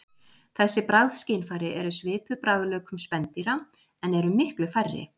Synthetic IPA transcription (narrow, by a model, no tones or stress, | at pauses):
θɛsːɪpɾawðscejnfaːɾɪʔɛɾʏsvɪːpʏpɾaːwðlœːkʏmspɛnt̪iɾa | ɛnɛɾʏmɪhklʏfarːɪ̰